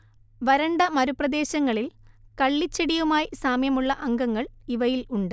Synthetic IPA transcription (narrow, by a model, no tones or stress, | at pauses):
ʋɐɾɐɳɖɐmɐɾuprɐd̪e̞ːɕɐŋːɐɭilkɐɭːit͡ɕːeɽijumaːjisaːmjɐmuɭːɐʔɐŋɡɐŋːɐɭiʋɐjiluɳɖɨ